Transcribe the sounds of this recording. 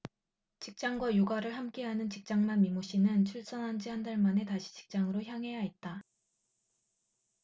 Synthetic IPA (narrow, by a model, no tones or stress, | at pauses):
t͡ɕik̚t͡ɕ͈aŋɡwajoɡaɾɯɭhamk͈eɦanɯnt͡ɕik̚t͡ɕ͈aŋmanmimoɕ͈ʰinɯnt͡ɕʰuɭs͈ʌnɦand͡ʑihandaɭmane̞taɕʰi̥t͡ɕi̥k̚t͡ɕ͈aŋɯɾoçjaŋɦe̞jait̚t͈a